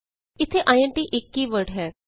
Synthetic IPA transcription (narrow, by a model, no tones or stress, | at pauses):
ɪt̪ʰːeːʔaːjɛ̃ɳʈiːʔɪkːiːʋəɾɖɦɛː